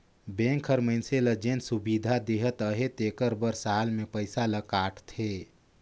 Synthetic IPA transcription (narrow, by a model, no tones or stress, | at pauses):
bẽːŋkʰːəɾməɪnseləd͡ʒeːnsubid̪ʱad̪eɦət̪əɦet̪ekəɾbəɾsaːlmẽpəɪsaləkaːʈʰt̪ʰe